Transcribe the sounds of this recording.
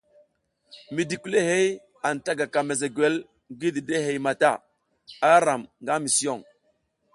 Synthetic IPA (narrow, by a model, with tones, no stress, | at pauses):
mi˨di˨ku˦le˦he˦j | a˨n˨ta˦ɡa˨ka˨me˨ze˨ɡe˦l | ɡi˦di˨de˦ɦe˨jma˨ta˦˨ | a˦ɾa˨mŋɡa˦mi˨si˦o˦˨ŋ